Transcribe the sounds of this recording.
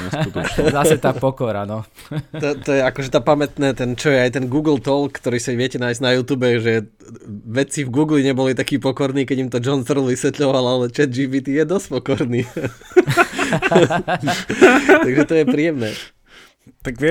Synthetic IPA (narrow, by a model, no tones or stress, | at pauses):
ɛ̰sut̪ɔzasɛt̪aːpɔkɔɾa̰nɔ | ɔt̪ɔjɛakɔʒɛt̪apamɛt̪nɛːt̪ɛnt͡ʃɔjɛajt̪ɛnɡuːɡl̩t̪ɔlkːt̪ɔɾiːsaʋɪɛcɛnaːjzɟnajuːt̪uːbɛʒɛ | ʋɛt͡sivɡuːɡliɲɛbɔlit̪akiːpɔkɔɾniːkɛɟimt̪ɔd͡ʒɔnfɾlʋisʋɛt̪ʎɔʋalalɛt͡ʃɛd̪̚d͡ʒiːʋiːt̪ijɛd̪ɔsc̚pɔkɔɾniː | aɡʒɛt̪ɔjɛpɾiːjɛmnɛː | t̪aɡʋɛ